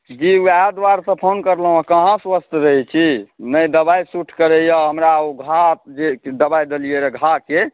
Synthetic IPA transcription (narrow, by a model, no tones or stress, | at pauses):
d͡ʒiuad̪waɾsə̃pʰonkəɾləɦõkəɦãswəst̪ʰɾəɦɛt͡ʃʰinəjd̪əbajsuʈʰkəɾejaɦəmɾaoɡʱad͡ʒed̪əbajd̪elijeɾeɡʱake